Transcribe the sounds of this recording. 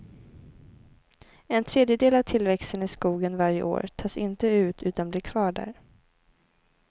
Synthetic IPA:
ɛnt̪ʰɾeːd̪jəd̪eːlavt̪ʰɪlvɛkst̪ənɪskuːɡənvaɾjə̰ʔo̰ːɾt̪ʰɑːsɪnt̪əʉ̟ːt̪ʉ̟ːt̪anblɪɾkʰv̥ɑːɖæ̰ːɾ

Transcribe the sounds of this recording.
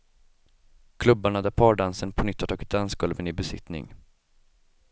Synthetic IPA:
kʰlɵbːaɳad̪æpʰɑːɖansənpʰɔnʏt̪ːhat̪ʰɑːɡɪt̪̚d̪ansɡɵlvənɪbɛsɪ̰t̪nɪ̰ŋ

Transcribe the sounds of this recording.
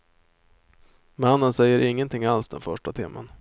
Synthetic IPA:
manːənsɛjːəɾʔɪŋːənt̪ʰɪŋːalsd̪ɛ̰nfœʂʈat̪ʰɪːmʔa̰n

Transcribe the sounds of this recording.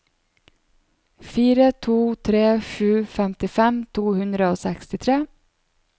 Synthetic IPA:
fiːɾət̪ʰuːt̪ʰɾeːʂʉːfɛmt̪ɪfɛmt̪ʰuːhɵnd̪ɾəoːsɛkst̪ɪt̪ʰɾeː

